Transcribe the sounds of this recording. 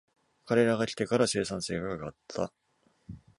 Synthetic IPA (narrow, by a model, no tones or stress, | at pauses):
kaɾe̞ɾaɡakʲi̥t̪e̞kaɾase̞ːsãɰ̃se̞ːɡakaɡat̪ʰːa̰